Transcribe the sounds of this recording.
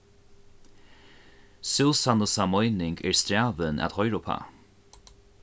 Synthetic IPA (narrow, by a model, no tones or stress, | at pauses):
sɪlsanəsamɔjnɪŋɡɛɹst̪ɾaːvəna̰t̪hɔjɾʊpʰa̰